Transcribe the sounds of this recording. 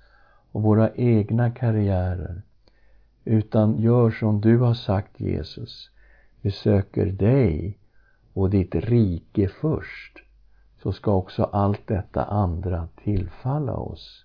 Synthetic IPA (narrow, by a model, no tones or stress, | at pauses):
ɔvoːɾaʔeːɡnakʰaɾɪæːɾə̰ɾ | ʉ̟ːt̪anjœːʂɔmd̪ɵhaʂakt̪ʰjḛːsɵs | bɛsøːkə̰ɾɖɛj | ɔd̪ɪt̪ɾiːkəfœʂʈ | sɔskaɔksɔ̰ʔalt̪̚d̪ɛt̪ːa̰ʔand̪ɾat̪ʰɪlfalːa̰ɔ̰s